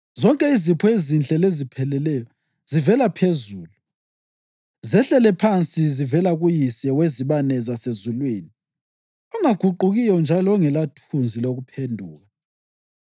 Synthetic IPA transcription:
zɔŋkʼɛizipʰɔezint͡ɬʼɛlezipʰɛlɛlɛjɔ | zivɛlapʰezuːlu | zɛɬɛlɛpʰant͡sʼizivɛlaɣujisɛweziβanɛzasezulwiːni | uŋaɡ̥ʱuǃuɣijɔnd͡ʒʱalɔːŋɛlatʰund͡zʱiloɣupʰendʱuːɣa

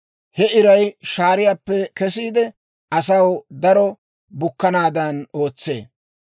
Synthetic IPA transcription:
hɛɪɾɐjʃaːɾɪjaːpːɛkɛs̬iːd̪ɛ | ɐsɐwd̪ɐɾɔ | bʊkːɐnaːd̪ɐno̞ːt͡sːe̞̰ː

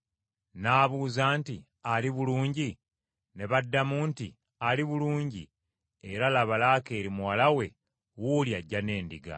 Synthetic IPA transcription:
naːβuːzaːnti | aliβuluːɲɟi | ne̞βadːamuːnti | aliβuluːɲɟḭ | eɾalaβalaːke̞ːɾimuwalawe̞ | wuljaɟːane̞ːndiɡa̰

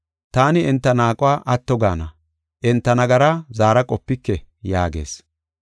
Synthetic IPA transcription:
t̪aːnɪɛnt̪ːɐnaːkʼʊwaːʔɐt̪ːɔɡaːnɐ | ʔɛnt̪ːɐnɐɡɐɾɐzaːɾɐkʼɔpːɪkːɛjaːɡe̞̰ːs

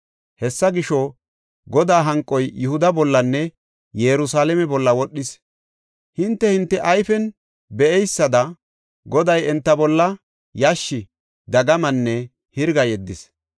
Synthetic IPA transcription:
hɛsːɐɡɪʃɔ | ɡɔd̪aːɦɐŋkʼːɔjjʊhʊd̪ɐbɔlːɐnːɛ | jɛɾʊsaːlɛmɛbɔlːɐwɔɗːɪs | hɪnt̪ːɛhɪnt̪ːɛʔɐjfɛn | bɛʔɛjsːɐd̪ɐ | ɡɔd̪ɐjɛnt̪ːɐbɔlːɐ | jɐʃːɪ | d̪ɐɡɐmɐnːɛ | hɪɾɡɐjɛd̪ːɪs

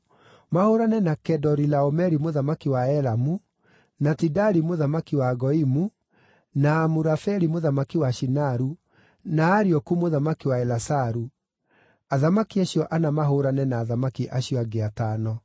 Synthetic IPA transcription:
mahoɾanɛnakɛdɔɾilaɔmɛɾimoðamakiwaɛɾamu | natidaɾimoðamakiwaɡɔimu | naːmuɾafɛɾimoðamakiwaʃinaɾu | naːɾiɔkumoðamakiwaɛlasaɾu | aðamakiaɕjɔʔanamaɦoɾanɛnaːðamakiʔaɕijɔaɡeatanɔ

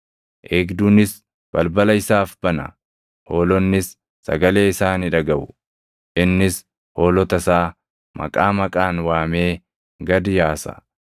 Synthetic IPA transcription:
ʔeːɡd̪uːnɪs | b̥ɐlbɐlɐɪsaːfb̥ɐnɐ̰ | hoːlɔnːɪsː | ɐ̰ɡɐle̞ːɪsaːnɪᶑɐɡɐbʊ | ʔɪnːɪs | hoːlɔt̪ɐsaː | mɐ̰kʼaːmɐkʼaːnwaːme̞ː | ɡɐd̪ɪjaːsɐ̰

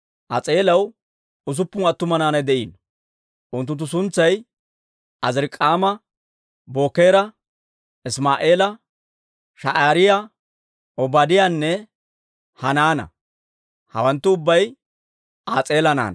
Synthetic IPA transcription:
ʔɐt͡sʼe̞ːlɐw | ʊs̬ʊpːʊnɐt̪ːʊmɐnaːnɐjd̪ɛʔḭːn | ʔʊnt̪ːʊnt̪ːʊs̬ʊnt͡sːɐj | ʔɐzɪɾɪkʼːaːmɐ | bo̞ːkːe̞ːɾɐ | ɪsmaːʔeːlɐ | ʃɐʔaːɾɪja | ʔɔbaːd̪ɪjanːɛ | hɐnaːnɐ̰ | hɐ̰wɐnt̪ːʊʊbːɐj | aːt͡sʼeːlɐna̰ːnɐ

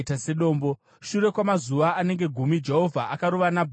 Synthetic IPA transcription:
tase̞ɗo̞ːmbo̞ | ʃuɾe̞kwamazuʋaːne̞ŋɡe̞ɡʱumid͡ʒe̞ɦo̞vʱaʔakaɾuʋanabʱ

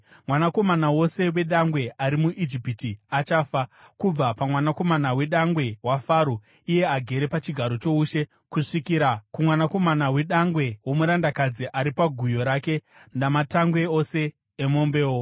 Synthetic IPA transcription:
mwanako̞manawo̞se̞we̞ɗaŋɡwe̞aɾimuʔid͡ʒipitiat͡ʃaːfakub͡vapamwanako̞manawe̞ɗaŋɡwe̞wafaːɾo | ije̞aɡʱe̞ɾe̞pat͡ʃiɡʱaɾo̞t͡ʃo̞uːʃe̞ | kuʂikiɾakumwanako̞manawe̞ɗaŋɡwe̞womuɾandakad͡ziʔaɾipaɡʱujo̞ɾaːke̞ | ndamataŋɡwe̞ose̞ː | mo̞mbe̞ːwo

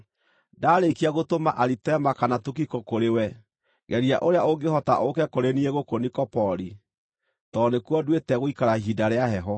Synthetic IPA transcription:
daːɾekiaɣotomaʔaɾitɛmakanatukikɔkoɾewɛ | ɣɛɾia̰ʔoɾeaoŋɡehɔta̰ʔokɛkoɾenieɣokonikɔpɔɾi | tɔnekwɔdwetɛɣoikaɾahidaɾeaɦɛɦɔ

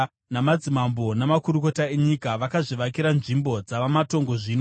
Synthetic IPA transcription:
namad͡zimambo̞namakuɾuko̞tae̞ɲikaʋakaʐiʋakiɾanʐimbo̞d͡zaʋamato̞ŋɡoʐino

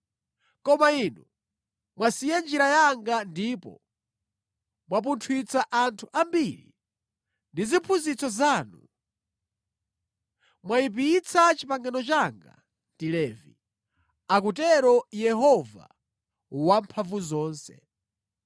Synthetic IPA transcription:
kɔmainu | mwasijɛnd͡ʒiɾajaŋɡandiːpɔ̰ | mwap̬untʰwit͡sʰaʔantʰuʔambiɾḭ | ndizipʰunzit͡sɔzaːnṵ | mwaip̬it͡sʰat͡ʃipaŋɡanɔt͡ʃaŋɡa̰ | ndilɛːvi | ak̬utɛɾɔjɛɦɔva̰ | wampʰavuzɔːnsɛ̰

